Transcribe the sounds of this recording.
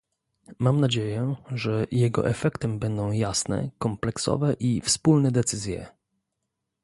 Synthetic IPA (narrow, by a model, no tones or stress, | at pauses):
mamnad͡ʑejɛʐɛjɛɡɔ̰ʔɛfɛkt̪ɛmbɛnd̪ɔ̃w̃jasnɛ̰kɔmplɛksɔ̰vɛʔifspulnɛd̪ɛt̪sɘzʲjɛ̰